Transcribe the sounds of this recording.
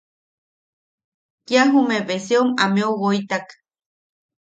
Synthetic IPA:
kjaɦumeβesiomameowoit̪ak

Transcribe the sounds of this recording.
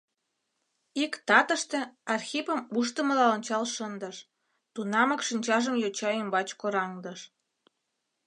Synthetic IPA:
ikt̪ɑt̪əʃt̪ĕɑrxʲipəmuʃt̪əməlɑonʲt͡ɕɑlʃənd̪əʃ | t̪unɑməkʃinʲt͡ɕɑʒəmjot͡ɕɑembɑt͡ɕkoɾɑŋd̪əʃ

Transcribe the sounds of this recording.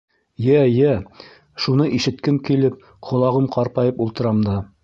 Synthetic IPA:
jæjæ | ʃunɤʔiʃɘ̆t̪kɘŋkilɘp̚ | qŏlˠɑʁɤmqɑɾpɑjɤpulˠt̪ɤ̆ɾɑmd̪ɑ

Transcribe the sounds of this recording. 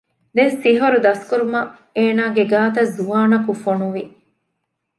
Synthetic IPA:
d̪esiɦoɾud̪ɐskuɾumɐ | eːnaːɡeɡaːt̪ɐzuʋaːnɐkufonuʋi

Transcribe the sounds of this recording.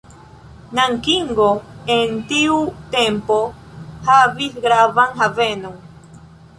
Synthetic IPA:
naŋkiŋɡoent̪iut̪empo | haviθɡɾavaŋɦavenoŋ

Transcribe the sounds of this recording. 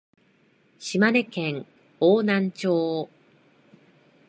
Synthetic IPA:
ɕimane̞kẽŋ | oːnãɲ̟t͡ɕoː

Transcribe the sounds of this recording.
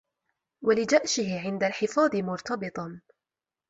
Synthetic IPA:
walɪd͡ʒaʔʃɪɦɪʕɪnd̪alħɪfɑːd̪ˤɨmʊɾt̪ɑbɨt̪ˤɑ

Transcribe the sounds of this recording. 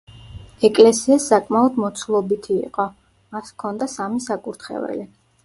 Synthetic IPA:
ɛkʼlɛsiasːakʼmaɔd̪mɔt̪sʰlˠɔbit̪ʰḭːqʼɔ | maskʰɔnd̪asamisakʼuɾt̪ʰχɛ̰vɛ̰li

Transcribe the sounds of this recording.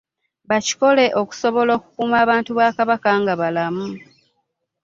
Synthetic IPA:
βaci̥ko̞le̞ʔo̞ku̥so̞βo̞lo̞ːku̥kumaːβaːntuβaːkaβakaŋɡaβalamu

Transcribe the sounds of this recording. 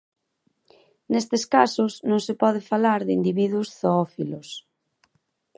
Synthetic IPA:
nest̪eskasʊsnõŋsepɔð̞ɪfalaɾðɪind̪iβiðwʊsθoɔfilos

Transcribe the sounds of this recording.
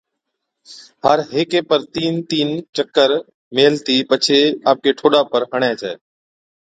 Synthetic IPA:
həɾɦeːkeːpəɾt̪iːnt̪iːnt͡ʃəkːəɾ | meːlt̪iːpət͡ʃʰeːaːp̚keːʈʰoːɗaːpəɾɦəɳ̃ẽːt͡ʃaː

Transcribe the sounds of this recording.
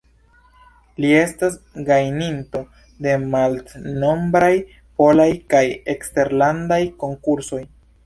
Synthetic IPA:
lie̞stas | ɡajninto̞ | de̞maltno̞mbɾaj | po̞lajkajekste̞ɾlandajko̞ŋkuɾso̞j

